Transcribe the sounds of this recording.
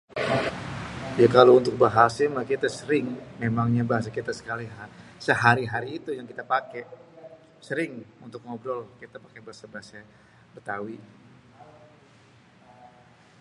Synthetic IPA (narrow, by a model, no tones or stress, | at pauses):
jakalount̪ʊk̚baɦasamakit̪asəɾɪŋmemaŋɲabaɦas̬akit̪asə̥kaliɦasəɦaɾiɦaɾiːt̪ujaŋkit̪apakɛ | səɾɪŋunt̪ʊk̚mɔbdɔlkit̪apakɛbaɦasabaɦasa | bət̪awi